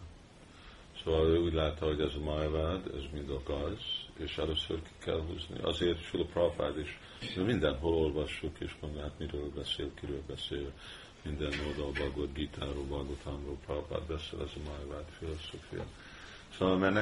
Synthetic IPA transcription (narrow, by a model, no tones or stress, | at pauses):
soːvɒløːuːɟlaːt̪ːɒɦo̞ɟɛzɒmajvad̪ɛ̰zmind̪ɒɡɒjzeːʃɛløːsø̰rki̥kɛ̰lɦṵːznḭʔɒ̰zeːrt̪filɔprofa̰d̪eʃ | nømind̪ɛnɦolo̞lvɒʃːukeːʃmond̪oɦat̪miɾøːlbɛsḛːlkiɾøːlbɛseːl | mind̪ɛnːod̪ɒlbɒɡod̪ɡit̪ʰaːɾoːbɒɡot̪ʰanroːlprova̰ːd̪bɛsḛːlʔɛzɒmajvad̪filoso̰ːfḭjɒ̰ | soːvɒlmɛrn